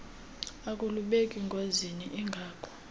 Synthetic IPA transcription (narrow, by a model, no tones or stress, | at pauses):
ak̬ʼuluɓekʼiŋɡʱoziniʔiŋɡʱaːkʼɔ̥